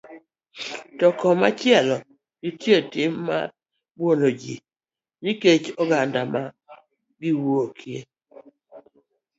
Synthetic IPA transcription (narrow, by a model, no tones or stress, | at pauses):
tɔkɔmat͡ʃɪɛlɔ | ɡitjetɪmːa̰ | bwonod͡ʒi | niket͡ʃɔɡandama | ɡɪwokʰje